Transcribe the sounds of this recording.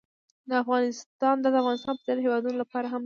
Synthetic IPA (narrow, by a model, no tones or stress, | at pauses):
d̪əafɣɑnɪst̪ɑnd̪ad̪əafɣɑnɪst̪ɑnpəzɑɾɦewɑd̪unolapɑɾaɦam